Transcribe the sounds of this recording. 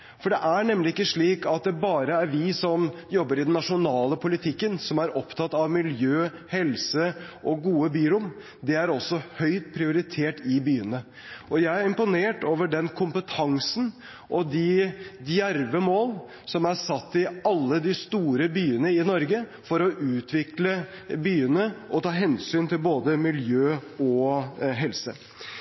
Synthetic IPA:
fɔɖɛʔæɳɛmːlɪɪkːəʂɭiːkɑt̪̚d̪ɛbɑːɾəæɾʋɪsɔmjɔbːəɾɪd̪ɛnːɑʂʊnɑːləpʰʊlɪt̪ʰɪkːənsɔmæɾɔpt̪ʰɑt̪ːɑʋmɪljøːhɛlsəʔɔɡuːəbyːɾʊm | d̪ɛæɾɔsːɔhœʏt̪̚pʰɾɪʊɾɪt̪ʰeːʈɪbyːənə | ʔɔjæɪæɾɪmpʊneːʈoːʋəɖɛnkʰʊmpət̪ʰɑŋsn̩ | ʔɔd̪ɪd̪jæɾʋəmoːl | sɔmæsɑt̪ːɪɑlːəd̪ɪst̪uːɾəbyːənəɪnɔɾɡəfɔɾɔʔʉːt̪ʰʋɪklə | byːənəʔɔt̪ʰɑːɦɛnsyːnt̪ʰɪlboːd̪əmɪljøːɔɦɛlsə

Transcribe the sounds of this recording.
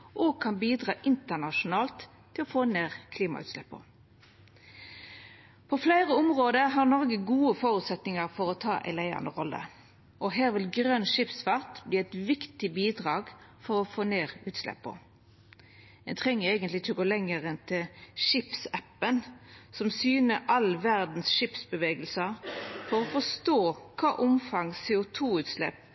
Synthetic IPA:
ʔɔɡ̚kʰɑnbiːd̪ʁɑːʔɪnt̪ənɑʃʊnɑːlt̪ʰː | ɪlɔfoːneːʁkʰliːmɑ̰ʉ̰ːt̪sɛ̰pːə̰ | pʰɔflæɪʁəɔmʁoːd̪əɦɑʁnɔʁɡəɡuːəfɔɾʉt̪sɛt̪nɪŋəʁfɔɾɔt̪ʰɑ̰ːʔæ̰ɪlæɪɑ̰nd̪əʁɔlːə̰ | ʔɔɦæːʁʋɪlɡɾœnʃɪpsfɑʁt̪bliːɛt̪ʋɪkt̪ɪbiːd̪ʁɑːɡfɔɾɔfoːneːʁʉːt̪slɛ̰pːɔ̰ | ɛnt̪ʰʁɛŋːəæɪɡənt̪lɪɪçːəɔɡoːlɛŋːəɾənt̪ʰɪlʃɪpsæpːənsɔmsyːnəʔɑlʋæʁd̪n̩sʃɪpsbəʋeːɡəlsəfɔɾɔfɔʂt̪oːkʰɑːʔʊmfɑŋsɛːʊt̪ʰuːʉːt̪slɛ̰p

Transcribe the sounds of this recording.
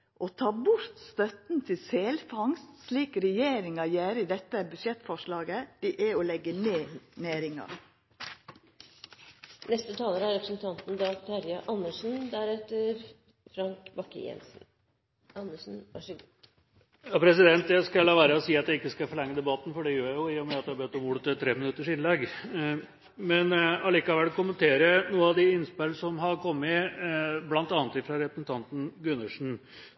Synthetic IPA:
ʔoːt̪ʰɑːbʊɾt̪st̪œt̪n̩t̪ʰɪlseːlfɑŋst̪sliːkɾɛjeːɾɪŋɑjæːɾɪd̪ɛt̪ːəbʉʃjɛt̪ːfɔʂlɑːɡəd̪̥iʔæolɛɡːəneːnæːɾɪŋɑ̰ɾ | nɛst̪ət̪ʰɑːləɾəæɾɛpɾə̥sn̩t̪ʰɑnt̪n̩d̪ɑt̪ʰɑɾjɑʔɑnːəʂn̩d̪æɾɛt̪ːəɾ | fɾɑŋkbɑkːə̰jɛ̰nsn̩ | ɑnːəʂn̩ʋɑ̰ʂɔɡɔ | jɑpʰɾɛs̬ɪd̪ɛnt̪jæɪskɑlɑːʋæːɾəsiːɑt̪̚jæɪkːəskɑfɔɭɛŋːəd̪ɛbɑt̪ːn̩fɔɖɛjøːɾjæɪjʊɪjʊmɛɑt̪d̪ɛhɑbɛt̪ːɔmuːlət̪ət̪ʰɾeːmɪnʉt̪ːəʂɪnlɛɡ | mɛnɑliːkɑʋɛlkʊmənt̪ʰeːɾənuːəɑʋd̪ɪɪnspelsɔmɦɑɾkʰɔmːɪ | blɑnt̪ɑːnət̪ɪfɾɑɾɛpɾəsn̩t̪ʰɑnt̪n̩ɡʉnːəʂɳ̩

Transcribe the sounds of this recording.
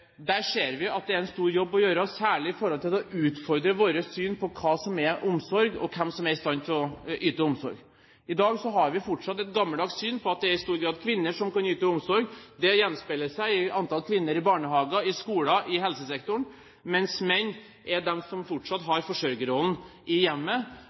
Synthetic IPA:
d̪æʂeːɾʋɪɑt̪̚d̪ɛæɾɛnst̪uːɾjɔbːɔjøːɾəɔsːæːɭɪɪfɔɾhɔlt̪ʰɪlɔʔʉːt̪fɔɾd̪ɾəʋoːɾəsyːnpʰɔkʰɑːsɔmɛɾʔʊmsɔɾɡɔ̰kʰɛmsɔmæɾɪst̪ɑnːt̪ʰɪlɔʔyːt̪əʊmsɔɾɡ | ɪd̪ɑːɡsɔɦɑɾʋɪfɔʈʂɑt̪ːɛt̪̚ɡɑmːəld̪ɑːɡssyːnpʰɔɑt̪̚d̪ɛæɾɪst̪uːɾɡɾɑːd̪kʰʋɪnːəʂɔmkɑnyːt̪əʊmsɔɾɡd̪ɛjɛnːspɛlːəʂæɪɪɑnt̪ɑlkʰʋɪnːəɾɪbɑːɳəhɑːɡɑɪskuːlɑʔɪɦɛlsəsɛkt̪ʊɳ | mɛnsmɛnː | ʔɛɖ̪ɛmsɔmfɔʈʂɑt̪ɦɑɾfɔʂœɾɡəɾɔln̩ʔɪjɛmːə

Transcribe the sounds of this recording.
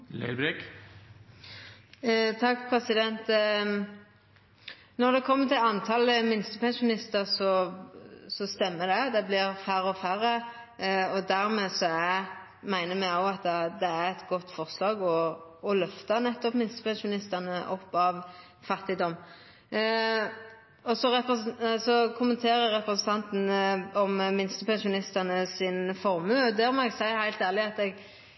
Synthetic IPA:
lɛ̰ɪbɾɪk | t̪ʰɑkːpʰɾɛsɪd̪ɛnt̪ | nɔʁd̪ɛkʰɔmːət̪ʰɪlɑnt̪ʰɑləmɪnst̪əpʰɛnsʊnɪst̪əʁsɔ | sɔst̪ɛmːəd̪ɛd̪ɛblɪɾfæɾəɔfæɾə | ɔd̪æɾmeːsɔæ | mæɪnəmɛjoːɑt̪d̪ɛd̪ɛæɾɛt̪ɡɔt̪ːfɔʁslɑːɡɔːlœft̪ɑnɛt̪ːɔpmɪnst̪ə̥pʰɛnʃʊnɪst̪ənəʔɔpːɑʋ | fɑt̪ːɪd̪ɔm | ɔsɔɾɛpəsɔkʰʊmənt̪ʰeːɾəɾɛpɾəsn̩t̪ʰɑnt̪n̩ɔmmɪnst̪əpʰɛnʃʊnɪst̪ənəsɪnfɔɾmʉːɔd̪æɾmɔɛɡsæɪhæɪlt̪æːʁlɪɑt̪ɛɡ

